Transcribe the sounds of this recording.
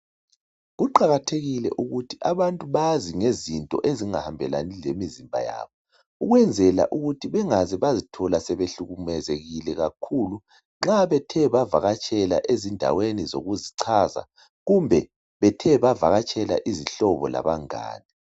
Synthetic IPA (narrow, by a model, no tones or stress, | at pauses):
ɣuǃaɣatʰeɣilɛ̰ʔuɣutʰiʔaβantʼuβaziŋezintʼɔ̰ʔeziŋahambʱɛla̰nilemizimbʱa̰ja̰ːβɔ | uɣwɛnd͡zʱɛla̰ʔuɣutʰiβɛŋazɛβazitʰɔlasɛβeɬuɣumɛzeɣilɛɣakʰulu | ŋ͡ǁaβɛtʰɛβava̰ɣat͡ʃʼɛla̰ʔezindʱa̰wenizo̰ɣuziǀʰaza̰ | ɣumbʱɛ | βɛtʰɛβavaɣat͡ʃʼɛla̰ʔiziɬɔβɔ̰la̰βaŋa̰ːni